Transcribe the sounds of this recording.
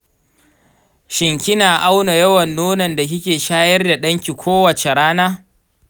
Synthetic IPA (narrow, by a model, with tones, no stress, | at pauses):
ʃɪ˨ŋkʲɪ˦naː˨ʔa˦wna˨jɐ˦wɐ˨nːoː˦nɐ˨nda˨kɪ˦kʲeː˨ʃaː˦jɐ˦rda˨ɗɐ˦ŋkʲi˨kʷoː˦wɐ˨t͡ʃe˨ɽaː˦naː˦